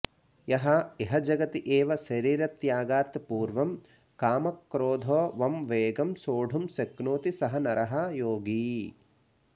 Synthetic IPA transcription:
jɐɦɐeɦɐd͡ʒɐɡɐt̪iʔeːʋɐʃɐɾiːɾɐt̪jaːɡaːt̪puːɾʋɐm | kaːmɐkːɾoːd̪ʱoːʋɐmʋeːɡɐmsoːɖʱumseknoːt̪isɐɦɐnɐɾɐɦɐjoːɡiː

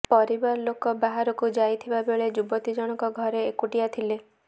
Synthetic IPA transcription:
pɔɾibɔɾlokɔbaɦaɾɔkud͡ʒajt̪ʰibabeɭed͡ʒubɔt̪id͡ʒɔɽ̃ɔkɔɡʱɔɾeːkuʈijat̪ʰile

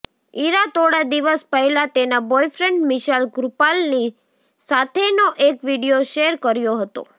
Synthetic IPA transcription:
iɾat̪oɽad̪iʋəspəɦɛlãt̪enabɔjfɾɛɳɖmiʃalɡɾupalni | sat̪ʰenoʔekʋiɽijoʃeɾkəɾjoɦət̪o̰

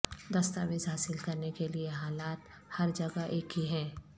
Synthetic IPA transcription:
d̪ɐst̪aʋɪzɦaːsɪlkɐɾnekelieɦaːlaːt̪ | hɐɾd͡ʒɐɡaʔeːkiɦɛ̃ː

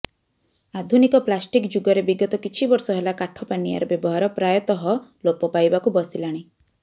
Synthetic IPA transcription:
ad̪ʱunikɔplasʈikd͡ʒuɡɔɾebiɡɔt̪ɔkit͡ʃʰibɔɾsɔɦelakaʈʰɔpanija̰ɾɔbjebɔɦaɾɔpɾajɔt̪ɔɦɔlopɔpajbakubɔsilaɽ̃i

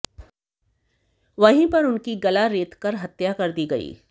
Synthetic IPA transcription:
ʋɐɦĩpɐɾʊnkiɡɐlaɾeːt̪kɐɾɦɐt̪jakɐɾd̪iɡɐḭː

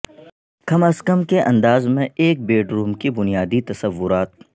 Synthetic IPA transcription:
kɐmɐskəmkeʔɐ̃nd̪aːzmẽeːk̚beːɖɾuːmkibʊnijaːd̪it̪ɐsəʋːʊɾaːt̪̚

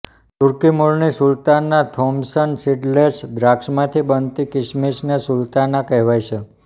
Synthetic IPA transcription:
t̪uɾkimuɭnisult̪anːat̪ʰɔmsənsiɖlesd̪ɾakʂmãt̪ʰibənt̪ikɪʃmisnesult̪anakɛɦʋajʃʰe

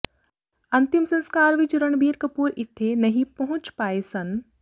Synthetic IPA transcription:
ɐnt̪imsɐ̃nskaːɾʋit͡ʃɾɐɳ̃biːɾkɐpuːɾɪt̪ʰːenɐɦĩpɐɦʊ̃t͡ʃpaːesɐn

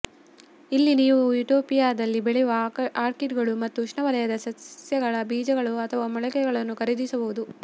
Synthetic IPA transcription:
ilːiniːʋuiʈoːpijaːd̪ɐlːibeɭɛjʋɐaːɾkiʈɡɐɭumɐt̪ːuʂnɐʋɐlɐjɐd̪ɐsɐsjɐɡɐɭɐbiːd͡ʒɐɡɐɭuɐt̪ʰɐʋaːmɔɭɛkɛɡɐɭɐnːukɐɾed̪isɐbuʋud̪u

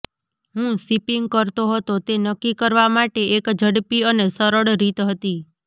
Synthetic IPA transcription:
ɦũsipiŋɡkəɾt̪oɦət̪ot̪enəkːikəɾʋamaʈeʔekd͡ʒʱəɽpiənesəɾəɽɾit̪ɦət̪i

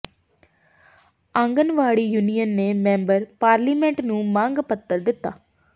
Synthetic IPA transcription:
ɐŋɡɐnʋaːɽijunijɐnːeːmembɐɾpaːɾlimeɳʈnũmaːŋɡɐpɐt̪ːɐld̪ɪt̪ːa̰

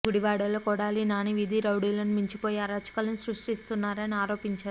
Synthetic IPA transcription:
ɡuɽiʋaːɽɐlokɔɽaːlinaːniʋid̪iɾɐwɽiːlɐnmiɲt͡ʃipoːjiɐɾaːt͡ʃɐ̥kɐlɐnusɾuʂʈist̪unːaːɾɐniaːɾo̞ːpiɲt͡ʃaːɾu

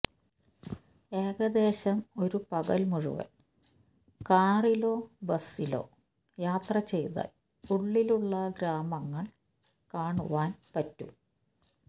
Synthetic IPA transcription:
e̞ːɡɐd̪e̞ːɕɐmo̞ɾupɐɣɐ̰lmuɻṵʋɐ̰l | kaːrilo̞ːbɐsilo̞̰ː | jaːt̪rɐt͡ɕe̞jt̪ɐ̰l | uɭːiluɭːɐɡɾaːmɐŋːɐɭ | kaːɳṵʋaːnpɐtːṵ

